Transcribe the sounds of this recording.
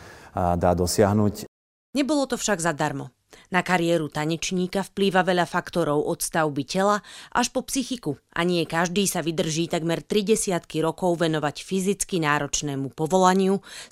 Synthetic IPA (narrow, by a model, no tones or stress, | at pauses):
ad̪aːd̪ɔsɪaɦnuc | ɲɛbɔlɔt̪ɔfʃaɡzad̪aɾmɔ | nakaɾiɛːɾut̪aɲɛt͡ʃɲiːkafpliːʋaʋɛʎafakt̪ɔɾɔʊʔɔt̪st̪aʊbicɛlaʔaʃpɔpsixikuʔa̰ɲɪɛkaʒd̪iːsaʋid̪r̩ʒiːt̪aɡmɛɾt̪ɾiɟɛsɪat̪kiɾɔkɔʊʋɛnɔʋacfizit͡skinaːɾɔt͡ʃnɛːmupɔʋɔlaɲɪu